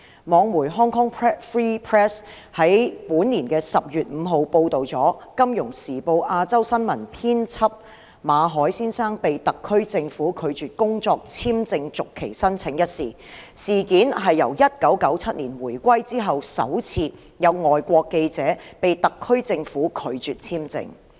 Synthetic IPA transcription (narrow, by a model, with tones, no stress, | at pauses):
mɔː˨˧ŋmuː˨˩jɦɔː˥ŋkʰɔ˥ŋpʰːfɹiː˥pʰɹɛː˥s | hɐ˨˥jpuː˨˥nːiː˨˩nkɛː˧sɐ˨p̚jyː˨t̚m̩˨˧ɦo˨wpo˧wt̪o˨wt͡sɔː˨˥kɐ˥mjʊ˨˩ŋsiː˨˩po˧wʔaː˧t͡sɐ˥wsɐ˥nmɐ˨˩npʰiː˥nt͡sʰɐ˥p̚ | maː˨˧ɦɔː˨˥jsiː˥nsaː˥ŋpe˨jt̪ɐ˨kʰːɵ˥ɥt͡sɪ˧ŋfuː˨˥kʰɵ˨˧ɥt͡ʃyː˨t̚kʊ˥ŋt͡sɔː˧k̚t͡sʰiː˥mt͡sɪ˧ŋt͡sʊ˨kʰːe˨˩jsɐ˥nt͡sʰɪ˨˧˥ŋjɐ˥t̚sḭː˨˩ | siː˨kiː˨˥nɦɐ˨jːɐ˨˩wjɐ˥t̚kɐ˨˥wkɐ˨˥wt͡sʰɐ˥t̚niː˨˩nwuː˨˩jkʷɐ˥jt͡siː˥ɦɐ˨wsɐ̰˨˥wt͡sʰiː˧ | jɐ˨˧wŋɔː˨˩jkʷɔː˧kːe˧jt͡sɛː˨˥pe˨jt̪ɐ˨kʰːɵ˥ɥt͡sɪ˧ŋfuː˨˥kʰɵ˨˧ɥt͡syː˨t̚t͡sʰiː˥mt͡sɪ̰˧ŋ